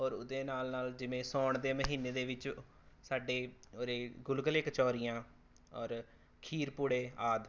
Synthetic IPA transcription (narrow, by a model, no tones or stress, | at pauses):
ɔːɾʊd̪eːnaːlnaːld͡ʒɪʋẽːsɔːɳd̪eːməɦiːneːd̪eːʋɪt͡ʃ | saːɖeːoːɾeːɡʊlɡəleːkət͡ʃɔːɾijãː | ɔ̰ːɾ | kʰiːɾpʊɽeːaːd̪